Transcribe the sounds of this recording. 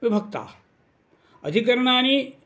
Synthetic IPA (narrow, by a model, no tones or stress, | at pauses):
ʋibʱɐkt̪a̰ː | ə̰d̪ʱikɐɾnaːni